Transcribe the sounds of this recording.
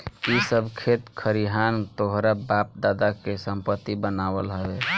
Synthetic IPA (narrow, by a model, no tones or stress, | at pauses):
isəbʱkʰet̪kʰəɾiɦant̪oɦɾabap̚d̪ad̪akesəmpət̪ːibənawəlɦəe